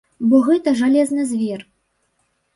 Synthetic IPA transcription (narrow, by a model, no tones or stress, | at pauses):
bɔɣɛt̪ɐʐalʲɛznɨzʲvʲɛr